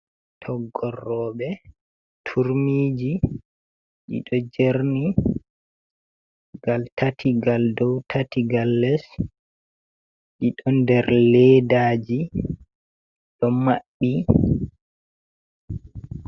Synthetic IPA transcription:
tʰɔɡːɔrːɔːɓɛ | tʰuɾmiːd͡ʒi | ɗḭɗɔd͡ʒeɾni | ɡaltʰatʰiɡaldɔwtʰatiɡalːɛs | ɗiɗɔndɛɾlɛdaːd͡ʒi | ɗɔmaɓːi

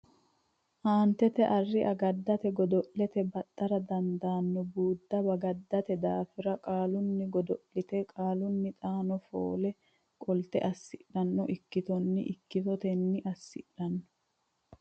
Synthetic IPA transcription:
ʔaːnt̪ɛt̪ɛʔɐrːɪʔɐɡɐd̪ːɐt̪ɛɡɔd̪ɔʔlɛt̪ɛbɐt̪ʼːɐɾɐd̪ɐnd̪aːnːɔbuːd̪ːɐbɐɡɐd̪ːɐt̪ɛd̪aːfɪɾɐkʼaːlʊnːɪɡɔd̪ɔʔlɪt̪ɛkʼaːlʊnːɪt̪ʼaːnɔfo̰ːlɛ | kʼɔlt̪ɛ̰ʔɐsːɪɗɐnːɔʔɪkːɪt̪ɔnːɪ̰ʔɪkːɪt̪ɔt̪ɛnːɪʔɐsːɪᶑɐnːɔ̥

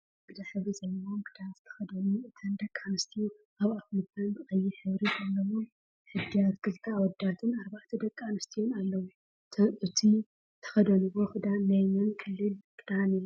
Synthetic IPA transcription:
kʰɨd̪aħɨβɾizɐlːɐomkʰɨd̪azɨt̪ʰɐ̥xɐd̪ɐluɨt̪ʰɐnd̪ɐkʼːanɨst̪ʰiju | ʔaβafmɨt̪ʰanzɨxʼɐjːiħɨβɾizɐlːɐwo | ħɨd̪ːijat̪kʰɨlt̪ʰawɔd̪at̪ʰɨnaɾbaʕt̪ʰɐd̪ɐkʼːanɨst̪ʰijonalːɐwu | t̪ʰɐʔɨt̪ʰi | t̪ʰɐ̥xɐd̪ɐluwoxɨd̪anajmɨnkʰɨlːɨlkʰɨd̪ani

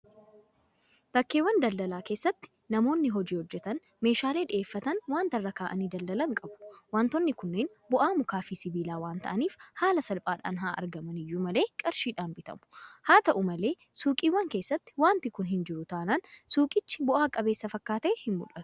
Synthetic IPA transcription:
b̥ɐkːe̞ːwːɐnd̪ɐld̪ɐlaːke̞ːsːɐt̪ːɪ̥ | nɐmo̞ːnːɪɦɔd͡ʒiːhɔd͡ʒːɛt̪ɐn | me̞ːʃaːle̞ːᶑɪʔeːfːɐt̪ɐnwaːnt̪ɐrːɐkaːʔɐniːd̪ɐld̪ɐlɐŋkʼɐbʊ̥waːnt̪ɔnːɪkʊnːeːn | bʊʔaːmʊkaːfiːsɪbiːlaːwaːnt̪ɐʔɐniːfhaːlɐsɐlpʼaːᶑa̰ːnɦaːʔɐ̰ɾɡɐmɐnɪjːuːmɐle̞ːkʼɪɾʃiːᶑaːmbɪt̪ɐ̰mʊ̥haːt̪ɐʔʊmɐle̞ː | suːkʼiːwːɐŋke̞ːsːɐt̪ːɪ̥waːnt̪ɪkʊnɦɪnd͡ʒɪɾʊt̪aːnɐnsuːkʼɪt͡ʃːɪ̥bʊʔaːkʼɐbe̞ːsːɐfɐkːaːt̪ɛhɪnmʊ̰ᶑɐt̪ʊ̥

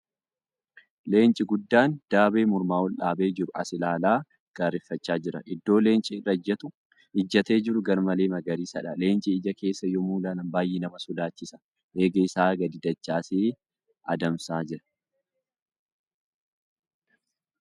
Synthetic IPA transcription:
le̞ːnt͡ʃʼɪɡʊd̪ːaːnd̪̥aːbe̞ːmʊɾmaːɔlʔaːbeːd͡ʒɪɾʊɐ̰sɪlaːlaː | ɡ̥aːɾɪfːɐt͡ʃːaːd͡ʒɪɾɐʔɪd̪ːo̞ːle̞ːnt͡ʃʼɪɪrːɐɪd͡ʒːɐt̪ʊ | ɪd͡ʒːɐt̪e̞ːd͡ʒɪɾʊɡɐɾmɐle̞ːmɐɡɐɾiːsɐᶑɐle̞ːnt͡ʃʼɪɪd͡ʒɐke̞ːsːɐjɔmuːlaːnɐmbaːjːeːnɐmɐsʊd̪aːt͡ʃːɪsɐ̥ | ʔe̞ːɡɐɪsaːɡɐd̪ɪd̪ɐt͡ʃːaːseː | ʔɐd̪ɐmsaːd͡ʒɪɾɐ̥

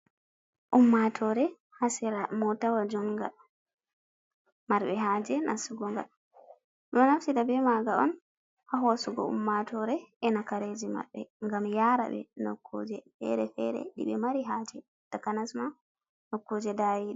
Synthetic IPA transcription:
ʔumːatʰɔɾɛ | hasiɾamɔtawad͡ʒɔŋɡa̰l | maɾɓɛɦad͡ʒɛnʔa̰suɡɔŋɡa̰l | mɛnafsidabɛmaɡaɔ̰n | haɦosuɡɔ̰ṵmːatɔɾɛʔɛnakaɾed͡ʒima̰ɓːɛŋɡamjaɾa̰ɓɛ̰nɔ̰kʰːo̰d͡ʒɛfɛ̰ɾɛfɛ̰ɾɛ̰ɗḭɓɛmaɾiɦaːd͡ʒɛ | takanasma | nɔkːod͡ʒɛdawiɗ

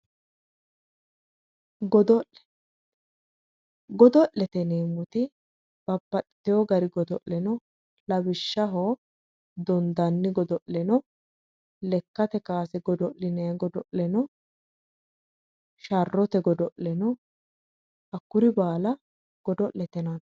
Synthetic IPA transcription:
ɡɔd̪ɔ | ɡɔd̪ɔʔlɛt̪ɛneːmːʊt̪ɪ | b̥ɐpːɐtɪ̥t̪ːɪjɔɡɐɾɪɡɔd̪ɔʔlɛnɔ | lɐbɪʃːɐɦoː | d̪ɔnd̪ɐnːɪɡɔd̪ɔʔɛnɔ | lɛkːɐt̪ɛkaːsɛɡɔd̪ɔʔɪnɛɡɔd̪ɔʔlɛnɔ | ʃɐrːɔt̪ɛɡɔd̪ɔʔɛnɔ | ʔɐkːʊɾɪbaːlɐ | ɡ̥ɔd̪ɔʔlɛt̪ɛnɐn

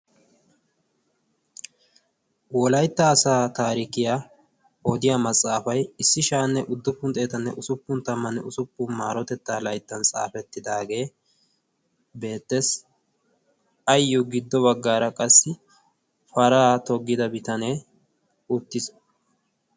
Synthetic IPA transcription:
wɔlɐjt̪ːɐːsaːt̪aːɾikɪjaː | ɔd̪ɪjaːmɐt͡sʼːaːfɐjɪsːɪʃaːnːɛʔʊd̪ːʊpːʊnt̪ʼe̞ːt̪ɐnːɛ̰ʔʊsʊpːʊnt̪ɐmːɐnɛʊsʊpːʊma̰ːɾɔt̪ɛt̪ːaːlɐjt̪ːɐnt͡sʼa̰ːfɛt̪ːɪd̪aːɡe̞ː | be̞ːt̪ːes | ɐjːʊɡɪd̪ːɔbɐɡːaːɾɐkʼɐsːɪ | fɐɾaːt̪ɔɡːɪd̪ɐbɪt̪ɐneː | ʊt̪ːɪs

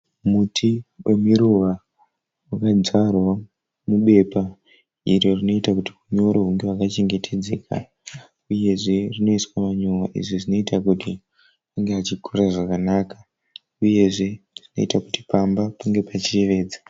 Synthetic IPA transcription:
mutʰiwe̞miɾuʋa | wakad͡zarwa | muɓe̞pa | iɾo̞rino̞itakutikuɲo̞ɾoɦuŋɡewakat͡ʃe̞ŋɡe̞tʰe̞d͡ze̞̰ːka̰ | uje̞ʐe̞rino̞iswamaɲowaʔḭʐiʐino̞itakuti | aŋɡeat͡ʃikʰoraʐakanaːkḁ | uje̞ʐe̞ʐ̥ino̞̰itakuti̥pambapaŋɡe̞pat͡ʃire̞ʋe̞ːd͡za

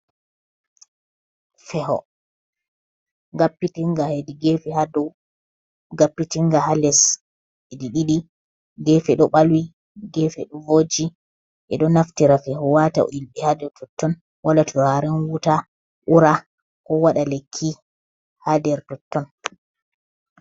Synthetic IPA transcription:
fɛɦɔ̰ | ɡapːitiŋɡahɛdiɡefihadɔ | ɡapːitiŋɡahalɛs | ɛdiɗiɗi | ɡɛfɛɗɔɓalwi | ɡɛfɛɗɔvod͡ʒi | ʔɛ̰ɗɔnaftiɾafɛhɔwata̰ɔ̰ilɓɛhadɛɾtɔtːɔn | walatʰuɾaɾɛnwuta | ʔuɾa | kɔwaɗalekʰːi | hadɛɾtɔtːɔn

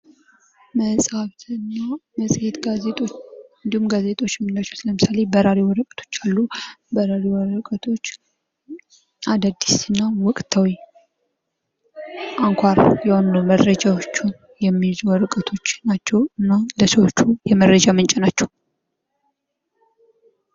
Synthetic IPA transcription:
məsʼhaβt̪ʰɨnːaməsʼhet̪ɡaet̪ʼɨnd̪ihumɡaze̞t̪ʼo̞t͡ʃːmɨnat͡ʃːɛwsɨləmɨsalebəɾaɾiwɔɾəkʼə̥t̪ʰo̞̥t͡ʃːalːubəɾaɾiwɔɾəkʼət̪ʰo̞t͡ʃː | ʔad̪ad̪isɨnːawɔkʼt̪ʰawi | ʔaŋkʷʰaɾjawndoməɾɾəd͡ʒawot͡ʃːu | jɛmːijzuwɔɾəkʼət̪ʰo̞t͡ʃːnat͡ʃːɛwɨnːaləsəwot͡ʃːujɛməɾːəd͡ʒamɨnt͡ʃʼɪnat͡ʃːɛw

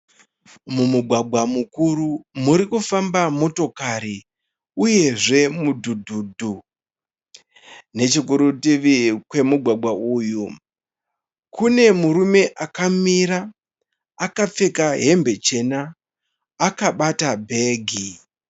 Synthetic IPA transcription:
mumuɡʱwaɡʱwamukuɾumuɾikufambamo̞to̞kaɾi | uje̞ʐe̞mudʱudʱudʱu | ne̞t͡ʃikuɾutiʋikwe̞muɡʱwaɡʱwaʔuːju | kʰune̞muɾume̞ʔakamiɾaː | kap͡fe̞kaɦe̞mbe̞t͡ʃe̞naː | kaɓatabʱe̞ɡʱi

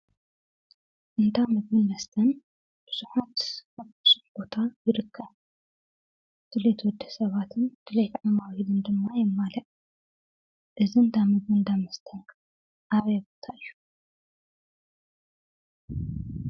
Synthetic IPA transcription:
ʔɨnt̪ʰamɨdmɨnmɐst̪ʰɐn | b̥ɨsuħat̪aβbɨ̥suħb̥o̞t̪ʰajɪɾɨkʰːɐβ | t̪ʰɨlet̪wɔd̪ːɐ̥sɐβat̪ʰɨnt̪ʰɨlet̪ʕamawid̪ɨnd̪ɨmːajɪmːalɐʔ | ʔɨziɨnt̪ʰamɨɡɨnd̪amɐst̪ʰɐnkʰ | ʔaβjbot̪ʰaʔɨjːu̥

